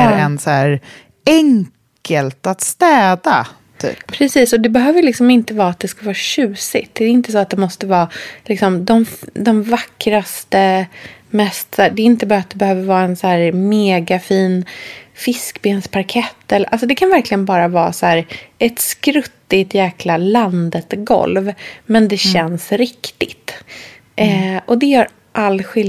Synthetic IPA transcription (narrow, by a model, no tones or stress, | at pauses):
ɛnsæːɾ | ɛŋkʰəlt̪at̪st̪ɛːd̪a̰ | t̪ʰy̰ːppʰɾɛsiːsɔd̪ɛbɛɦøːvəjlɪksɔmɪnt̪əvɑːat̪̚d̪ɛskavɑːɕʉ̟ːsɪt̪̚d̪ɛɛːɾɪnt̪əs̬ɔat̪̚d̪ɛmɔst̪əvɑːlɪksɔmd̪ɔmd̪ɔmvakːɾast̪əmɛst̪sæːɖɛɾɪnt̪əbɑːɾat̪̚d̪ɛbɛhøːvəɾvɑːɛnsæːɾmeːɡafiːnfɪskbeːnspʰaɾkʰɛt̪ːɛlːʔals̬ɔd̪ɛkʰanvæɾklɪɡənbɑːɾavɑːsæːɾʔɛt̪skɾɵt̪ːɪt̪jæːklaland̪ət̪ɡɔ̰lvmɛnd̪ɛɕɛnsɾɪkt̪ɪt̪ | ʔɛʔɔd̪ɛjœːɾ | ʔalːɧɪl